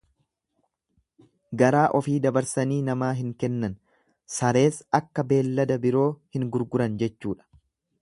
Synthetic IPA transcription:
ɡɐɾaːʔɔfiːd̪ɐbɐɾsɐniːnɐmaːɦɪŋkɛnːɐn | sɐɾe̞ːsɐkːɐbe̞ːlːɐd̪ɐbɪɾo̞ːhɪŋɡʊɾɡʊɾɐnd͡ʒɛt͡ʃːuːᶑɐ̥

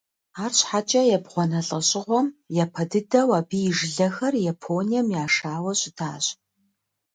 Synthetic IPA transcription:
aːrɕħat͡ʃʼɐjɛbʁʷɔnɐɬʼɐɕʼɪʁʷɔmjapʰɐdɨdɐwaːbiːjɪʒɪɮɐxɐrjapʰoːnijɛmjaːʂaːwɐɕʼɪdʰa̰ːɕʼ

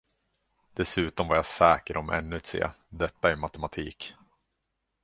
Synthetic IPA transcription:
d̪̥ɛsʉ̟ːt̪ɔmvaɾjasɛːkəɾʔɔmʔɛ̰nːɵt̪sḛː | d̪ɛt̪ːaæɾmat̪ɛmat̪ʰiːk

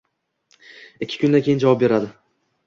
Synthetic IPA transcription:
ɪkʲʰːɪ̥kʰʊnd̪ankʰʲejɪnd͡ʒavɒp̚be̞ɾad̪ɪ

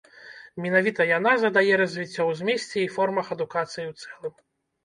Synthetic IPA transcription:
mʲinavʲit̪ɐjan̪azɐd̪ajɛɾɐzʲvʲit͡sʲːɔwzʲmʲesʲt͡sʲɛifɔrmɐxɐd̪ukat̪sɨjiwt̪sɛlˠɨm

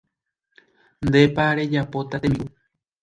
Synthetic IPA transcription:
nd̪epaɾe̞d͡ʒapo̞t̪at̪ẽmĩ

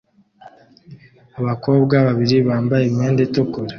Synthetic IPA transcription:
aβako̞ːbɡaβaβiɾiβaːmbajemeːndetokoɾa

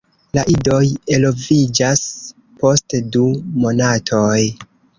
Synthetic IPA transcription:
laʔido̞je̞lo̞vid͡ʒas | po̞stdumo̞natʰo̞j

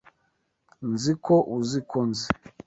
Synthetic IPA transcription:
nzikʰɔʔuzikɔnzi

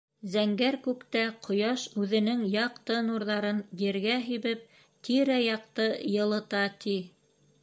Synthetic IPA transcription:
zæŋɡæɾkʉpt̪æqʰŏjɑʃʉðɘ̆nɘŋjɑqt̪ɤnuɾðɑɾɤnjɘ̆ɾɡæɦiβɘp̚ | t̪iɾæjɑq̚t̪ɤjɤ̆lˠɤ̆t̪ɑt̪i

